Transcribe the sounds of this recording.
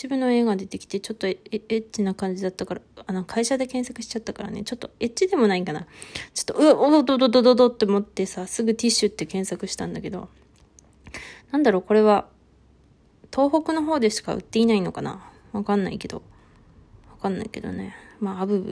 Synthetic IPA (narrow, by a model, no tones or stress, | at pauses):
ibɯ̟̃nːo̞e̞ːɡad̪e̞t̪e̞kʲi̥t̪e̞t͡ɕo̞t̪ːo̞et͡ɕinakãɲ̟d͡ʑid̪at̪ːakaɾaano̞kʰaiɕad̪e̞kẽ̞ɰ̃sakɯ̟ɕi̥t͡ɕat̪ːakaɾa̰ne̞̰t͡ɕo̞t̪ːoe̞t̚t͡ɕːid̪e̞mo̞naikanat͡ɕo̥t̪ːo̞ɯod̪od̪od̪od̪od̪od̪ot̪ːe̞mo̞t̪ːe̞sasɨɡɯ̟t̪ʲiɕːɨt̪ːe̞kẽɰ̃sakɯ̟ɕi̥t̪ãnd̪ake̞d̪o̞̰ | nãnd̪aɾo̞ːko̞ɾe̞βa | t̪ʰo̞ːɦo̞kɯ̟no̞ɦo̞ːd̪e̞ɕi̥ka̰ɯ̟̰t̪ːe̞inaino̞kana̰ | βakãnːa̰ike̞d̪̥o̞̰ | βakãnːa̰ike̞̰d̪o̰ne̞̰maabɯ̟ɯ̰